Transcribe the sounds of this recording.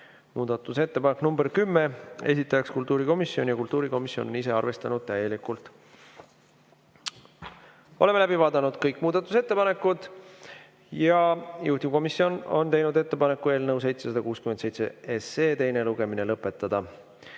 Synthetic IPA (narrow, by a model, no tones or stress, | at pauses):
muːd̪̥ɑt̪ːˑuse̞t̪ːe̞pɑneknumberkymːee̞̰s̬ʲit̪ˑːɑjɑkskult̪ːˑuːɾiko̞misːjo̞njɑkult̪ːˑuːɾiko̞misjo̞nonise̞ɑrve̞st̪ɑnud̪̥̚t̪æje̞likult̪ | o̞le̞melæbivɑːd̪̥ɑnud̪̥kɤjkːˑmuːd̪ɑt̪ːˑuse̞t̪ːe̞pɑne̞kːˑud̪̥ | jɑjuht̪iko̞misːio̞no̞̰nt̪e̞jnud̪e̞t̪ːe̞pɑne̞kːˑue̞ːlnɤws̬e̞jt̪se̞sɑd̪̥ɑkuːskymend̪sejt̪seeseːt̪e̞jne̞luɡ̥e̞mine̞lɤpːˑe̞t̪ːˑɑd̪̥ɑ